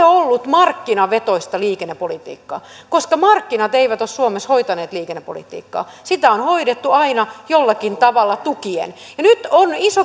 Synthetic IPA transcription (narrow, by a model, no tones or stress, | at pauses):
oolːut̪mɑrkːinɑʋet̪oist̪ɑliːkenːepolit̪ḭːkːɑ̰ː | koskɑmɑrkːinɑt̪eiʋæt̪ossuomeshoit̪ɑneːt̪liːkenːepo̰lḭt̪ḭːkːɑ̰ːsit̪æonhoiɾet̪ːuɑinɑjolːɑkint̪ɑʋɑlːɑt̪ukiḛn | jɑnyt̪oniso